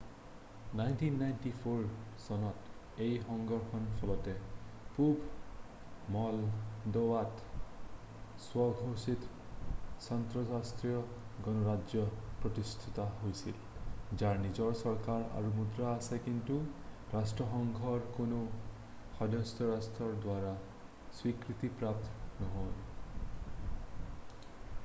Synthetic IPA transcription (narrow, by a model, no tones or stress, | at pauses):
najntinːajntipʰoɹsɔnɔt | ejxɔŋɡɔɹxɔnfʰɔlɔtɛpubʱ | mɔldowat | swɔɡʱosit | santɹɔsastɹijɔ | ɡɔnɔɹad͡ʒjɔpɹɔt̪ist̪ʰit̪aɦojsil | d͡ʒaɹnid͡ʒɔɹsɔɹkaɹa̰ɹumud̪ɹaːsekint̪uɹasʈɹɔxɔŋɡʱɔɹkono | xɔd̪ɔstɔɹastɹɔɹd̪waɹa | swikɹit̪ipɹap̚t̪nɔɦon